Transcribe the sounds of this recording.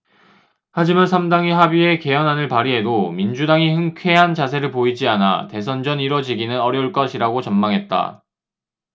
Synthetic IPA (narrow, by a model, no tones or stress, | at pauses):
had͡ʑimansʰamdaŋiɦabie̞ke̞jʌnɦanɯɭpaɾiɦe̞domind͡ʑudaŋihɯŋkʰe̞ɦant͡ɕas̬ʰe̞ɾɯɭpoid͡ʑiana̰te̞s̬ʰʌnd͡ʑʌniɾʌd͡ʑiɡinɯnʌɾjʌuɭk͈ʌɕʰiɾaɡot͡ɕʌnmaŋɦe̞t̚t͈a̰